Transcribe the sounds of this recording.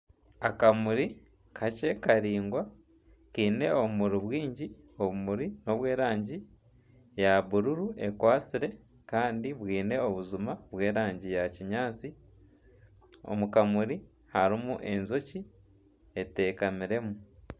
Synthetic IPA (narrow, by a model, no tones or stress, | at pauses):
akamuɾi | kʰacekaɾiːŋɡwa | kiːne̞oβumuɾiβwiːɲɟi | o̞βumuɾino̞βwe̞ːɾaːɲɟi | jaβuɾuɾue̞kwaːt͡siɾe̞ | kaːndiβwiːne̞o̞βuzumaβwe̞ːɾaːɲɟijaciɲaːt͡si | o̰mukamuɾi | haɾimuʔe̞nzo̞ci | e̞te̞ːkamiɾe̞mu